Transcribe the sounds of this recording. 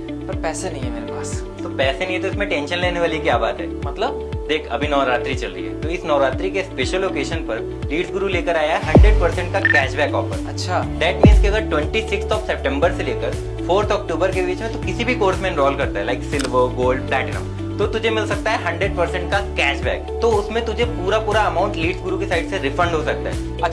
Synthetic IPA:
pɐɾpɛːsenɐɦĩɦɛmeːɾepaːs | t̪opɛːsenɐɦĩɛt̪oɪsmẽʈẽnʃə̃nleːneʋaːlikjaːbaːt̪ɦɛːmɐt̪ləb̚ | d̪eːkʰɐ̰bʱinɔːɾaːt̪ɾit͡ʃɐlɾə̰ḭɦɛ̰ːt̪oɪsnɔːɾaːt̪ɾikespeːʃəlːoːkeːʃənpɐɾ | liːɖsɡʊɾuleːkəɾaːjaɦɛɦɐ̃ɳɖɾeɖ̚pɐɾsɛ̃ɳʈkakɛːʃbɛːkɔ̰ːfəɾɐtːʃʰad̪ɛːʈmĩːnzkiɐɡəɾʈwɛ̃ɳʈisɪkst̪ɔːfsɛp̚ʈɛ̃mbəɾseleːkəɾ | foːɾt̪ʰɔːk̚ʈoːbəɾkebiːt͡ʃmẽt̪okɪsibʱikoːɾsmẽːnɾɔːlkɐɾt̪aɦɛlaɪksɪlʋəɾɡoːlɖplɛːʈɪnə̰̃m | t̪oːt̪ʊd͡ʒʱemɪlsɐk̚t̪aɦɛɦɐ̃ɳɖɾeɖ̚pɐɾsɛ̃ɳʈ̚kakɛːt͡ʃbɛ̰ːkt̪oʊsmẽt̪ʊd͡ʒʱepuːɾapuːɾaɐmãːʊ̃ɳʈliːɖzɡʊɾukesaːɪɖseɾɪfɾə̃ɳɖɦosɐk̚t̪a̰ɦɛ̰ | ɐ

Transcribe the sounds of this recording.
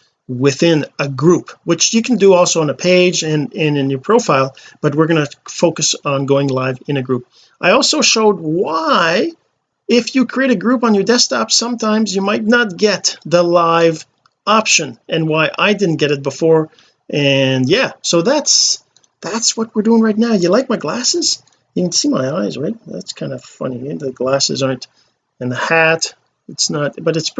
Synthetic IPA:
wɪθɪ̃nɨɡɹupwɨt͡ʃjɨkʰn̩dɨɔlˠsoʊə̃nɨpʰeɪd͡ʒɨ̃nɨ̃nɨ̃njə˞pʰɹ̥oʊfaɪlˠb̥ʌt̚wɨɹɡʌnɨfoʊkɨsn̩ɡoʊɪ̃ŋlaɪvɨ̃nɨɡɹup̚ | ʔaɪɔlˠsoʊʃoʊd̚waɪ | ɪfjɨkʰɹ̥ieɪɾɨɡɹupn̩jə˞dɛstʰɑpsʌ̃mtʰãɪ̃mzjɨmaɪtⁿnət̚ɡ̥ɛt̪̚ðəlaɪv | ɑpʃɨ̃nʔɨ̃nwaɪʔaɪdɪdⁿn̩ɡ̥ɛɾɨt̚b̥əfɔɹ | ʔɨ̃njæsoʊðæts | ðætswʌt̚wəɹduɪ̃ŋɹaɪtⁿnaʊjɨlaɪk̚maɪɡlæsɨz̥ | jɨkn̩simaɪaɪzɹaɪt̚ðæ̰tskʰãɪ̃ndə̥fʌ̰niðɨɡlæsɨ̰zɑɹnt | ɨ̃nðəhæɾ | ɨtsnəɾb̥ʌɾɨts

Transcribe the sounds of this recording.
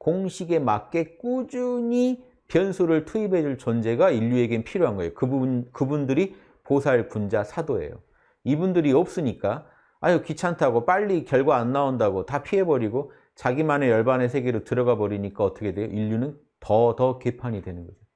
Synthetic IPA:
koŋɕʰiɡe̞mak͈e̞k͈ud͡ʑuɲi | pjʌnsʰuɾɯɭtʰuibʱe̞d͡ʑuɭt͡ɕʌnd͡ʑe̞ɡaiʎːue̞ɡenpʰiɾjoɦanɡʌejokɯbkɯbundɯɾi | posʰaɭkund͡ʑasʰadoe̞̰jo̰ | ibundɯɾiʌp̚s͈ɯɲik͈a | ajokit͡ɕʰantʰaɡop͈aʎːikjʌɭɡwaanːaondaɡotapʰiɦe̞bʌɾiɡo | t͡ɕaɡimane̞jʌɭbanesʰe̞ɡeɾotɯɾʌɡabʌɾiɲik͈aʌt͈ʌkʰe̞dwejo̰ʔiʎːunɯn | tʌtʌke̞pʰaɲidwe̞nɯnɡʌd͡ʑo

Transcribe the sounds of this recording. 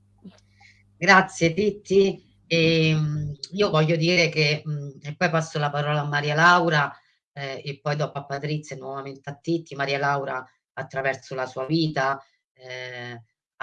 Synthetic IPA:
ɡɾat̪sːjet̪it̪ːi | emiːovɔʎːod̪iːɾekeepːɔjpasːolapaɾɔːlaːmːaɾiːalawɾa | epːɔjd̪ɔpoapːat̪ɾit̪sːjanːwɔvament̪eat̪ːit̪ːimaɾiːalawɾaː | t̪ːɾavɛɾt̪solasuːaviːt̪a

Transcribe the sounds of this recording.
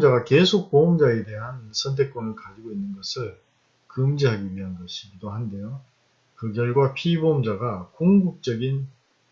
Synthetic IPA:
d͡ʑaɡake̞sʰok̚poʌmd͡ʑae̞de̞ɦansʰʌntʰe̞k͈onɯɭkad͡ʑiɡoinːɯnɡʌsʰɯɭ | kɯmd͡ʑiɦaɡiɥiɦanɡʌɕʰiɡidohande̞jo | kɯɡjʌɭɡwapʰibomd͡ʑaɡakoŋɡuk̚t͡ɕ͈ʌɡin

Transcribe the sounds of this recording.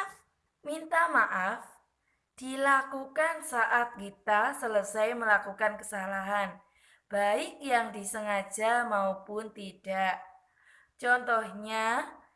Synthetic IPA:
f | mint̪amaʔaf | d̥ilakukansaʔat̪̚kit̪asələsajməlakukankəsalaɦan | b̥aɪk̚jaŋdisəŋḁd͡ʒ̥amaopʊnt̪id̥aʔ | t͡ʃɔnt̪ɔhɲa

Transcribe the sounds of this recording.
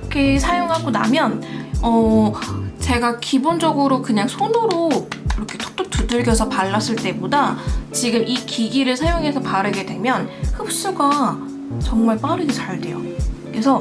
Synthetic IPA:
kesʰajoŋɦaɡona̰mjʌnʌ | t͡ɕe̞ɡakibond͡ʑʌɡɯɾokɯɲaŋsʰonoɾoiɾʌkʰe̞̥t͈ʰo̥k̚t͈ot͈udɯɭɡjʌsʰʌpaɭːas͈ɯɭt͈e̞bodat͡ɕiɡɯmʔikiɡiɾɯɭsʰajoŋɦe̞sʰʌpaɾɯɡe̞dwe̞mjʌnhɯp̚s͈uɡa | t͡ɕʌŋmaɭp͈aɾɯɡet͡ɕaɭdwe̞jo̰ | kesʰʌ

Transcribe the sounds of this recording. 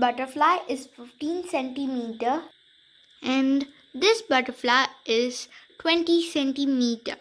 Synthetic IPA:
bʌʈəflaɪʔɪzfɪfʈĩːnsɛ̃ɳʈimiːʈəɾ | ɛ̃ɳ | d̪ɪsbʌʈəɾflaɪɪzʈwɛ̃ɳʈisɛ̃ɳʈimiːʈə

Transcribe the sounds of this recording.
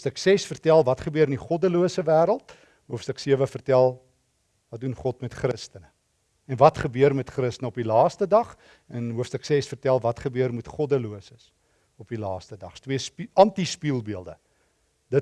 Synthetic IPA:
fstəksɛsfərtælˠvɐtχəbøəɾəniχɔdəluəsəvæːɾəlˠt | ɦuəfstəksiəvəfərtælˠ | vɐt̚dunχɔtmɛtχrəstənə | ɛnvɐtχəbøərmɛtχrəstənəɔpilɑːstədɐχ | ɛnɦuəfstəksɛsfərtælˠvɐtχəbøərmutχɔdəluəsəs | ɔpilɑːstədɐχtwiəspʔɐntispiːlˠbiəlˠdə̰ | d̥ə

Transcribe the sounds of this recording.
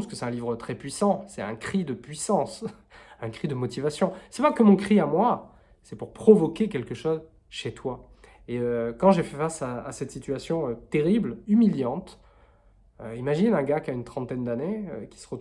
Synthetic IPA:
skəsɛt̪ɛ̃livʁət̪χɛpɥisɑ̃sɛt̪ɛ̃kχid̪əpɥisɑ̃s | ɛ̃kχid̪əmɔt̪ivasjɔ̃sɛpakəmɔ̃kχiamwa | sɛpuʁpχɔvɔkʲek̬ʲɛlkəʃoz | ʃet̪wa | eøkɑ̃ʒefɛfasaːsɛt̪sit̪ɥasjɔ̃øt̪eʁiblymiljɑ̃t̪ | øimaʒinɛ̃ɡakaynt̪χɑ̃t̪ɛnd̪aneøkʲi̥sə̥ʁə

